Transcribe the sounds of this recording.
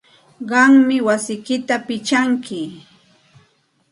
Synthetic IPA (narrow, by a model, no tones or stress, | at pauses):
ɢɑŋmɪwasɪjkɪt̪apɪt͡ʃaŋkɪ